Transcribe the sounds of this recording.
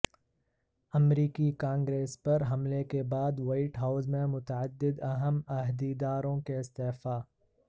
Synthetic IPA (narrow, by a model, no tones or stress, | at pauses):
ɐmɾiːkikãːŋɡɾeːspɐɾɦɐmlekebaːd̪waːɪʈɦaːʊzmẽmʊt̪əəd̪ːɪd̪ɐɦəmɐɦd̪id̪aːɾõkeɪst̪eːfaː